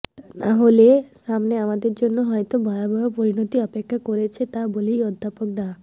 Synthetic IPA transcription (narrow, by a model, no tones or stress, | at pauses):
naɦolesamneamad̪eɾd͡ʒonːoɦɔjt̪ɔbʱɔjabʱɔjopɔɾinɔt̪iɔpekʰːjakɔɾet͡ʃʰet̪aboliɔd̪ʱːapɔk̚d̪a